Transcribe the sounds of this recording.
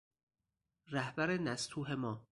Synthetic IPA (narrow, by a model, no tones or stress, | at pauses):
ræhbæɾenæst̪ʰuːɦe̞mɒː